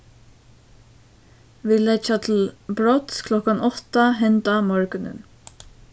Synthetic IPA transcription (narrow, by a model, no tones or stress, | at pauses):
ʋiːlɛt͡ʃat̪ʰɪlbɹɔt̪skʰlɔkanɔht̪aɦɛnt̪amɔɹkʏnɪ̰n